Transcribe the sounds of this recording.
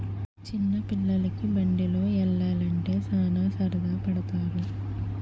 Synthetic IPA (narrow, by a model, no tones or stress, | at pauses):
t͡ʃɪnːɐpɪɭːɐlikːɯbɐɳɖiloːɛlːaːlɐɳʈeːsaːnaːsɐɾɐd̪aːpɐɽɐt̪aːɾu